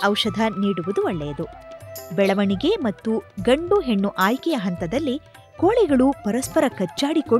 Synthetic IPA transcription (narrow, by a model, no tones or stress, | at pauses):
ɐwʃɐd̪ʱɐniːɽuʋud̪uɐɭːḛːd̪ubɛɭɐʋɐɳiɡe̞mɐt̪ːuɡɐɳɖuɦe̞ɳːuʔaːjkɛjɐɦɐnt̪ɐd̪ɐlːi | koːɭɛɡɐɭupɐɾɐspɐɾɐkɐt͡ʃːaːɽiko